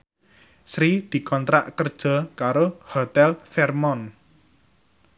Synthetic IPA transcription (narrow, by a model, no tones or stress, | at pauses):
sɾid̪̥i̤kɔnt̪ɾaʔkərd̥ʒ̥ɔ̤kaɾohɔt̪ɛlfɛrmɔn